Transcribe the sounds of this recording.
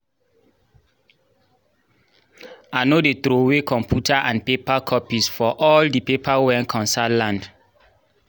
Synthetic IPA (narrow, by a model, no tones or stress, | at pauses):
anodet̪ɾowekʰɔ̃mpʰjutʰaʔãnpepakʰɔpisfɔʔɔldipepʰawɛ̃nkʰɔ̃nsalãnd